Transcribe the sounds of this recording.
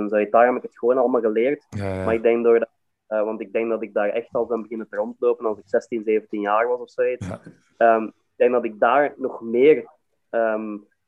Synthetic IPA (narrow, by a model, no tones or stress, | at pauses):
nzoːɪt̚daːɹɦɛbɪkətxəʋoːnɑlˠəmaːlˠɣəleːrtmaːɹɪɡ̚dɛŋkdoːrd | əʋɑntɪɡ̚dɛŋk̚dɑtɪɡ̚daːɹɛ̰xtɑlˠsbɛnbəɣɪnətərɔntəloːpənɑlˠsɪksɛstinzeːvəntinjaːrʋɑsɔfsoːit | əːmɪɡ̚dɛŋ̚dɑtɪɡ̚daːɹnɔxmɪːr | əːm